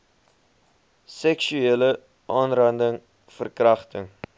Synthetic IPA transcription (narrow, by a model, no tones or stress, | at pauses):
sɛksyeːlə | ʔɑːnrɐndəŋ | fərkrɐχtəŋ